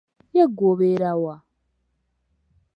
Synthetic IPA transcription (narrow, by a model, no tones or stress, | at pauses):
jeɡoβeɾawa